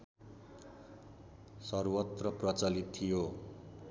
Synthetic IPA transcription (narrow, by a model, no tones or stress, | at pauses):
sʌrwʌt̪rʌprʌt͡sʌlit̪ʰːijo